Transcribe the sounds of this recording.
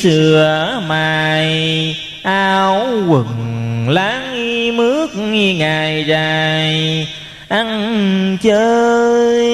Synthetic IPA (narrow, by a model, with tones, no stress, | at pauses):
sɨ˨˩əmaː˨˩˨j | ʔaː˧wwɨ˨˩ŋlaː˨˦ŋi˧mɨ˦˥ək̚ŋi˧ŋaː˨˩jzaː˨˩j | ʔa˧ŋt͡ɕəː˧˦